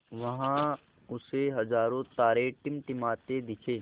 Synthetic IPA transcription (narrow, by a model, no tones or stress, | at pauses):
ʋɐɦã | ʊseɦɐzaːɾõt̪aːɾeʈɪmʈɪmaːt̪ed̪ɪkʰeː